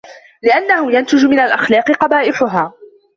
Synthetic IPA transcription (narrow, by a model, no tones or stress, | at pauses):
lɪʔanːahʊjant̪ɪd͡ʒmɪnalʔaxlɑːqɨqɑbaːʔɪħʊɦaː